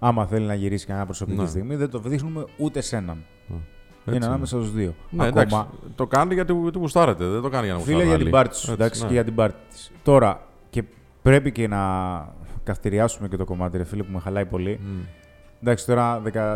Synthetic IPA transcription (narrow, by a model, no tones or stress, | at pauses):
ɐmɐθe̞linɐʝiɾisi̥kɐneɲɐpɾo̞so̞pikcist̪iɣmiðe̞d̪o̞vðixnume̞ut̪e̞se̞nɐn | ineɐnɐmesɐst̪ozðio̞nɐk̪mɐt̪o̞kɐneʝɐt̪it̪ipust̪ɐɾet̪eðend̪o̞kɐnjɐnɐfiliɐʝɐibɐɾt̪i̥st̪usnd̪ɐkksiceʝɐt̪ibɐɾt̪i̥t̪i̥st̪o̞ɾɐ | ce̞ | pɾe̞picenɐ | kɐft̪iɾiɐsume̞cet̪o̞ko̞mɐt̪iɾefilipumexɐlɐipo̞li | nd̪ɐksi̥t̪o̞ɾɐðekɐ